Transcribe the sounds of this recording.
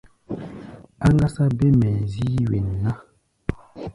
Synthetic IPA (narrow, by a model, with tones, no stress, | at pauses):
a˦ŋɡa˦sa˦be˦mɛ˨zi˦wḛ˨nː˨a˦